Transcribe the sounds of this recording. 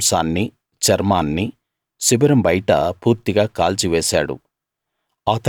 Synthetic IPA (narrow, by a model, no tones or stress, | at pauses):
saːnːi | t͡ʃɐɾmaːnːi | sibɐɾɐmbɐjʈɐ̰puːɾt̪iɡaːkaːlt͡ʃiʋɛːsa̰ːɽṵ | aːt̪ɐ